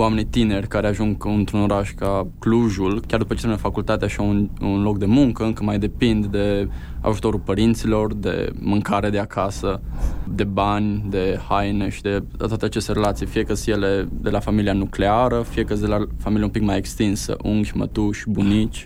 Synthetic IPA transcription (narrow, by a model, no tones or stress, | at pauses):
wame̞nit̪ine̞rʲkaɾeaʒuŋɡɨnt̪ɾuno̞ɾaʃkakluʒulkʲard̪upət͡ʃeɾemnfakult̪at̪eaʃaununlo̞kd̪e̞muŋkəɨŋkəmajd̪e̞pind̪d̪e̞ | a̰ʒut̪o̞ɾulpəɾint̪silo̞rd̪e̞̰mɨŋkaɾed̪eakasəd̪e̞banʲd̪e̞hajneʃid̪e̞t̪owat̪eat͡ʃe̞st̪e̞ɾelat̪sijfije̞kəsjeled̪e̞lafamilianukle̞aɾəfije̞kəsd̪elafamilijeumpikmaje̞kst̪insə̰ʔuŋɡʲmə̰t̪uʃbunit͡ʃʲ